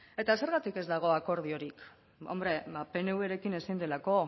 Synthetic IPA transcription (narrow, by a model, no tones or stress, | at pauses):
e̞t̪ase̞ɾɣat̪ike̞zd̪aɣ̞o̞ako̞ɾð̞io̞ɾik | o̰mbɾe̞bape̞ne̞weɾe̞kine̞sind̪e̞lako̞